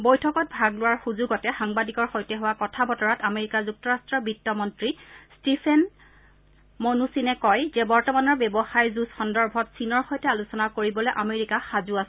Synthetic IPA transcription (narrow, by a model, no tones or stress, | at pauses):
bojtʰɔkɔt̚bʱaɡlʊwaɹxuzuɡɔtɛxaŋbadikɔɹxojtɛɦʊwakɔtʰabɔtɔɹatameɹikazuk̚tɔɹastɹɔbɹitːɔmɔntɹistipʰɛn | monusinɛkɔjzɛbɔɹtɔmanɔɹbebɔxajzusxɔndɔɹbʱɔtsinɔɹxojtɛalusɔnakoɹibɔlɔjʔameɹikaxazuasɛ